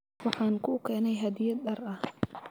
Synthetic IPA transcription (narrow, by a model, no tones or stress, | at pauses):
wɑħɑːnkʰʊkʰɛːnɛjɦɐd̪ɪjɐd̪dɐrɐh